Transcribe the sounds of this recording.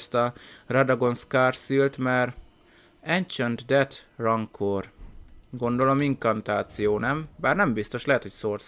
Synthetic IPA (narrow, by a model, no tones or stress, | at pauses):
st̪ɒrɛd̪ɒɡo̞nskaːrsylt̪mɛr | ɛnt͡ʃønd̪d̪ɛt̪rɒŋkʰorɡo̞nd̪o̞lo̞miŋkɒnt̪aːt̪sijoːnɛmbaːrnɛmbist̪o̞ʃlɛɦɛt̪hocsoːr